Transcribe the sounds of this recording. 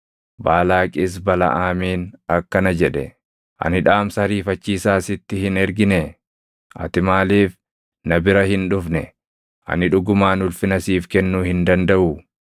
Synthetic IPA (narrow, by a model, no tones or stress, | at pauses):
baːlaːkʼɪs̬bɐlɐ̰ʔaːmiːnɐkːɐnɐd͡ʒɛᶑɛ | ʔɐ̰nɪᶑaːmsɐɐɾiːfɐt͡ʃːiːsaːsɪt̪ːɪhɪnɛɾɡɪnɛ | ʔɐ̰t̪ɪmaːliːf | nɐbɪɾɐhɪnᶑʊfnɛ̰ | ʔɐ̰nɪᶑʊɡʊmaːnʊlfɪnɐsiːfkɛnːuːhɪnd̪ɐnd̪ɐʔʊ